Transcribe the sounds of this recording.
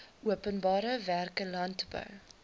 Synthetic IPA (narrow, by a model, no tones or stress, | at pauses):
ʔuəpənbɑːɾəværkəlɐntbœ̰w